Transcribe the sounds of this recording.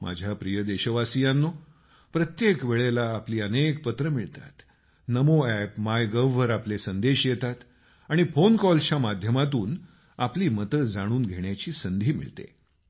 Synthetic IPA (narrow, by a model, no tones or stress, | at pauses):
mʔa̰d͡ʑʱjapɾijəd̪eɕəʋasijãnːo | pɾət̪jekʋeɭelaːpliːənek̚pət̪ɾəmiɭt̪a̰t̪ | nəmoæpmajɡəʋːəɾaplesənd̪eɕjet̪at̪ | aɽ̃ifonkɔlt͡ɕamad̪ʱjəmat̪uːn | apliːmət̪əd͡zaɽ̃uːnɡʱeɳjat͡ɕiːsənd̪ʱiːmḭɭt̪ḛ